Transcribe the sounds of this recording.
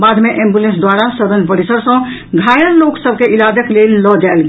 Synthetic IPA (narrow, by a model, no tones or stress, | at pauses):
bad̪meʔẽmbjulẽnsd̪waɾasəɾə̃nd͡ʒpəɽisəɾsə̃ | ɡʱajənloksəbkeʔilad̪əklelːɔd͡ʒaelɡ